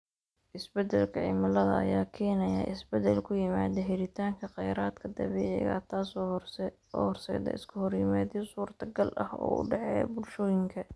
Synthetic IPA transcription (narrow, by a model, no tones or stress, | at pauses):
ʔɪsbɛd̪ɛlkʰɐʕɪ̰mɐlɐðɐɐ̰jaːkʰɛːnɐja̰ʔɪsbɛd̪ɛlkʰʊjɪmaːðɐɦɛɾɪt̪ʰaːŋkʰɐqɛjɾaːd̪kʰɐd̪ɐβɛːʕɪ̰ɣa̰t̪ʰaːs | ɔ̰ːhɔrsɛ̰ːd̪ɐ̰ʔɪ̰skʰɐhɔrjɪmaːd̪isuːrt̪ʰɐɡɐlʔɐ̰hɔ̰ːʊ̰ɖɑʕɛjbʊlʃɔːjɪŋkʰɐ